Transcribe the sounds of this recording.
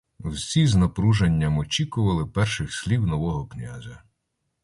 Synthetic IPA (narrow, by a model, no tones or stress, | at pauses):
wsʲiznɐpɾuʒenʲːɐmɔt͡ʃʲikʊʋɐlˠɪpɛrʃɪxsʲlʲiwnɔʋɔɦɔknʲa̰zʲɐ